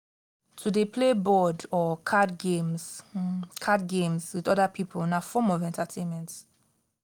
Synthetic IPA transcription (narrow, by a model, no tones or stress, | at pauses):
tʰudepʰlebɔdɔkʰadɡemz | kʰadɡẽmzwiðɔdapʰipʰəlnafɔmɔvɛ̃ntatʰẽnmɛ̃nt